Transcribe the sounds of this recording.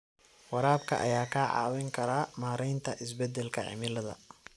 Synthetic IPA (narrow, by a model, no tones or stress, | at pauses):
wɑɾaːbkʰɐ̰ʔɐ̰jaːkʰaːʕɑ̰ːwɛŋkʰɐɾaːmaːɾɛjnt̪ʰɐʔɪs̬bɛd̪ɛlkʰɐʕɪ̰mɪlɐðɐ̰